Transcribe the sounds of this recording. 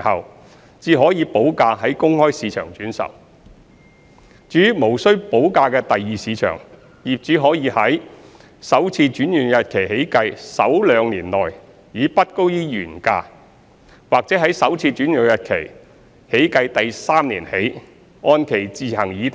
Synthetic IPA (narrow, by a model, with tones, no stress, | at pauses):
hɐ˨w | t͡siː˨˧ɦɔː˨˥jiː˨˧po˨˥wkaː˧ɦɐ˨˥jkʊ˥ŋhɔː˥jsiː˨˧t͡ʃʰœː˨˩ŋt͡ʃyː˨˥nsɐ̰˨˩w | t͡ʃyː˨˥mo˨˩wsɵ˥ɥpo˨˥wkaː˧kɛː˧t̪ɐ˨jːiː˨˧siː˨˧t͡ʃʰœ̰ː˨˩ŋ | ji˨p̚t͡ʃyː˨˥ɦɔː˨˥jiː˧hɐ˨˥j | sɐ˨˥wt͡sʰiː˧t͡ʃyː˨˥njyː˨˩njɐ˨t̚kʰe˨˩jhe˨˥jkɐ˧jsɐ˨˥wlœː˨˧˥ŋniː˨˩nlɔː˨˩j | jiː˨˧pɐ˥t̚ko˥wjiː˥jyː˨˩nkaː˧ | waː˨k̚t͡sɛː˨˥ɦɐ˨˥jsɐ˨˥wt͡sʰiː˧t͡ʃyː˨˥njʊ˨˩jɐ˨t̚kʰe˨˩j | he˨˥jkɐ˧jt̪ɐ˨jsaː˥mnḭː˨˩nhe˨˥j | ɔː˧nkʰe˨˩jt͡siː˨˩ɦɐ˨˩ŋjiː˨˧